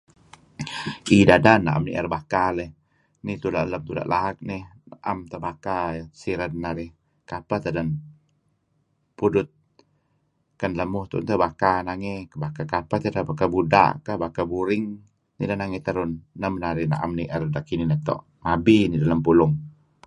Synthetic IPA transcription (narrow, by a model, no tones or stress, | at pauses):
idadanːa̰ʔa̰mnḭʔə̰rbakalɛh | nit̪ulaʔləmt̪uda̰ʔlaɦak̚nɪhnaʔamt̪əbakasiɾannaɾɪh | kapat̪adan | pudʊt̪̚ | kanləmʊht̪ṵʔnt̪əbakanaŋekəbakakapaht̪əɾabakabuda̰ʔkəhbakabuɾɪŋ | nidanaŋɛt̪aɾʊnːəmənaɾɪhna̰ʔamniʔərdaʔkininət̪o̰ʔ | mabinidalampulʊŋ